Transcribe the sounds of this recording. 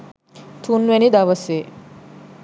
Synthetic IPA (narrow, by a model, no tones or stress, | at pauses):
t̪ʰunʋenid̪aʋəse